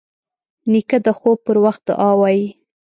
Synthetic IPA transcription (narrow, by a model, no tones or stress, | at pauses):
nikad̪əxob̚pəɾwaxt̪̚d̪ə̰ʔɑwɑji